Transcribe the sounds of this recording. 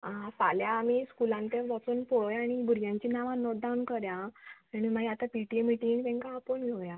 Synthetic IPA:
ãsaljaːmiskulãnt̪ẽʋɔt͡suːnpoɭjaɽ̃ibʱuɾjãɲt͡ɕinaʋãnɔʈ̚ɖawunkəɾjãaɽ̃imajat̪apiʈiemiʈiŋt̪ɛ̃ŋkaːpəɳjeʋja

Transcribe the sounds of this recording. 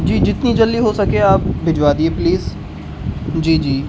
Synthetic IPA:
d͡ʒiːd͡ʒɪt̪nĩːd͡ʒəliːɦoːsəkeːaːp̚bɪd͡ʒʋaːd̪ieːpliːz | d͡ʒiːd͡ʒiː

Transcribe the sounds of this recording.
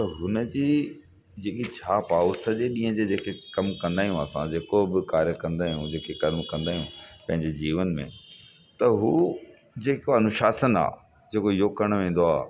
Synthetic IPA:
t̪ɐɦʊnəd͡ʑiː | d͡ʑeːkit͡ɕʰaːpaːʊsə̆d͡ʑeɗĩːɦə̃d͡ʑed͡ʑeːkekɐmkɐ̃nd̪aːijũəsã̰d͡ʑeːkobɪkaːɾjəkɐ̃nd̪aːijũd͡ʑeːkekɐlmkɐ̃nd̪aːijũpɐ̃ɦɪ̃ɲd͡ʑed͡ʑiːʋənmḛ̃ | t̪ɐɦuː | d͡ʑeːkoanʊ̃ʃaːsəna̰ː | d͡ʑeːkojoːkəɽ̃ʋẽːn̆d̪oaː

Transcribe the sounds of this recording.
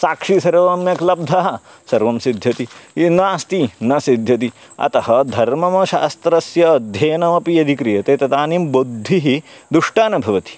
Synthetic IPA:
saːkʂisɐɾʋɐmjɐklɐb̚d̪ʱɐɦɐ̆ | sɐɾʋɐmsid̪ʱjɐt̪inaːst̪inɐsid̪ʱjɐt̪i | ɐ̰t̪ɐhɐd̪ʱɐɾmɐmɐʃa̰ːst̪ɾɐsjɐːd̪ʱjɐːnɐmɐpijɐd̪ʱikɾijɐt̪eːt̪ɐt̪aːnimbod̪ʱːiɦid̪uʂʈaːnɐbʱɐʋɐt̪i̥

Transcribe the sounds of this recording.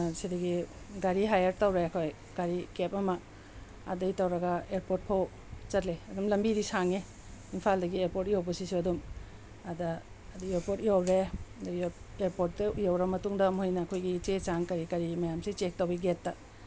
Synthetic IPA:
sidɐɡi | ɡaɾiɦajɐɾtɐwɾeɐkʰoj | ɡ̥aɾikepɐmɐ | ɐ̰dɐjtɐwɾɐɡɐeɾpoɾt̚pʰow | t͡ʃɐtleɐdumlɐmbiɾisaŋe | impʰaldɐɡieɾpoɾtijowbɐsisiɐdum | adɐ | ɐdieɾpoɾtijowɾedɐeɾpot̚dɐujowɾɐmɐtuŋdɐmojnɐːkʰojɡit͡ʃet͡ʃaŋkɐɾikɐɾimɐjamsit͡ʃek̚tɐwbiɡetːɐ

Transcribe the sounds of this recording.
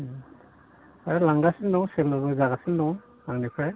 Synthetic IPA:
aɾalaŋɡasindɔŋselɔbɯzaɡasindɔŋ | aŋnikʰɾe

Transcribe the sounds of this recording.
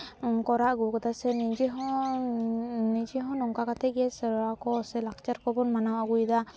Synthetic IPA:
kɔɾaʔɡukɔt̪asɛnid͡ʒɛɦɔ̃ | nid͡ʒɛɦɔ̃nɔŋkakat̪ʰɛɡɛsɛɾɔakɔsɛlakʰt͡ʃaɾkɔbɔnmanawaɡujd̪a

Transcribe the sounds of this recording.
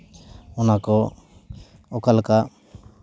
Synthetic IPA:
ɔnakɔ | ɔkalka

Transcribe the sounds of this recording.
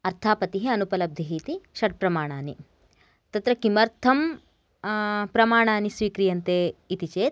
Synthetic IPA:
ɐɾt̪ʰaːpɐt̪iɦeɐnupɐlɐb̚d̪ʱiɦiːt̪iʃɐʈ̚pɾɐmaːɳaːni | t̪ɐt̪ɾɐkimɐɾt̪ʰɐm | pɾɐmaːɳ̃aːnisʋiːkɾijɐnt̪eːt̪it͡ʃeːt̪̚

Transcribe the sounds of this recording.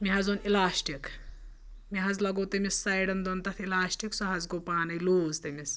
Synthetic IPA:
miɦazonelaːsʈik | miɦazlɐɡowt̪ɐmisːajɽɐnd̪ont̪ɐt̪ʰelaːsʈiksɔɦazɡopaːnɐjluːzt̪ɐmis

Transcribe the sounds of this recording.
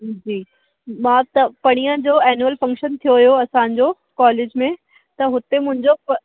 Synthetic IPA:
d͡ʑiː | mãːt̪ɐpɐɽ̃ijə̃d͡ʑoːɛːnjuəlfɐ̃ŋkʃənt̪ʰijoɦijoɐsãːɲd͡ʑoː | kɔːleːd͡ʑmẽ | t̪ɐɦʊt̪emʊ̃ɦɪ̃ɲd͡ʑopɐ

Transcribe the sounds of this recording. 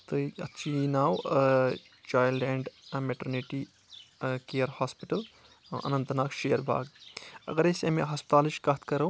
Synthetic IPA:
t̪ɨɐtːt͡ʃʰinaːw | t͡ʃaːjlɖɛɳɖmeʈɐɾniʈi | kejɐɾhaːspiʈɐl | ɐ̰nɐ̃nt̪naːkʃejɐɾbʱa̰ːɡɐ̰ɡɐɾesɐmiɦaːspt̪aːliʃkɐt̪kɐɾɐw

